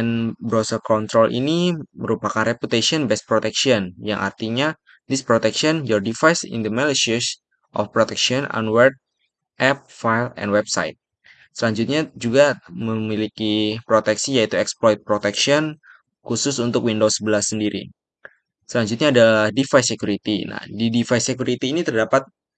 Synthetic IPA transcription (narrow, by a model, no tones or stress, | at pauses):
anbɾosərkɔnt̪ɾɔlʔḭniməɾupakanreput̪esiɔnbɛst̪̚pɾot̪ɛksiɔnja̰ŋʔa̰rt̪iɲa | dispɾot̪ɛkʃiɔnjɔrdifajsɪ̰nd̪əmɛliʃəs | ʔɔ̰fpɾot̪ɛkʃiɔna̰nwərd̚ | ʔɛp̚fajlɛ̰nwɛbsa̰jt̪̚ | səlaɲd͡ʒut̪̚ɲad͡ʒuɡaməmilikipɾot̪ɛksijait̪uɛksplɔjt̪̚pɾot̪ɛkʃiɔn | kusʊsunt̪ʊkwindosəbəlasəndiɾḭ | səlaɲd͡ʒʊt̪̚ɲaːdalahdifajsekuɾit̪ina̰didifajsekuɾit̪iːnit̪ərdapat̪̚